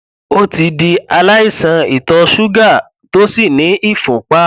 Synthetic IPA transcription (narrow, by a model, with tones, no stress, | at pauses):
o˦ti˧di˧a˧la˦i˦˨sã˧i˨tɔ˧ʃu˦ɡa˦˨ | to˦si˦˨nĩ˨˦i˦˨fũ˨k͡pa˦